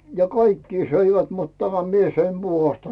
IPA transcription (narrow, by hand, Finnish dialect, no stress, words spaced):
jɑ kɑikːiː søiʋæt mut tæmæ mie søim b̥uhɑstɑ